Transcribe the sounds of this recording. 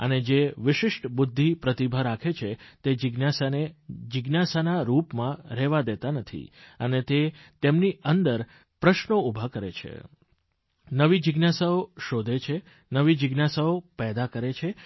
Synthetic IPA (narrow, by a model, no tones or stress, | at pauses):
ə̰ned͡ʒeʋɪʃɪʃʈbʊd̪ʱːipɾət̪ibʱəɾakʰet͡ʃʰet̪ed͡ʒɪɡnasaned͡ʒɪɡnasanaɾupmãɾɛʋad̪et̪anət̪ʰḭənet̪et̪emniənd̪əɾ | pɾəʃnoubʱakəɾḛt͡ʃʰḛ | nəʋid͡ʒɪɡnasaoʃod̪ʱet͡ʃʰe | nəʋid͡ʒɪɡnasaopɛd̪akəɾet͡ʃʰe